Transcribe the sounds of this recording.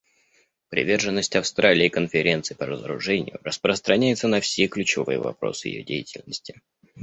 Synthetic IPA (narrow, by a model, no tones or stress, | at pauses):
pɾʲɪ̰vʲe̞rʐɨnːəsʲtʲɐfst̪ɾʔalʲɪːkənfʲɪɾʲe̞nt̪sɨpəɾəzəɾʊ̰ʐɛnʲɪ̰jʊ̰rəspɾəst̪ɾɐnʲæjɪt̪sənɐfsʲeklʲʉt͡ɕɪvɨ̰jə̰vɐ̰pɾo̞̰sɨjɪ̰jo̞̰dʲejɪtʲɪlʲnəsʲtʲɪ̥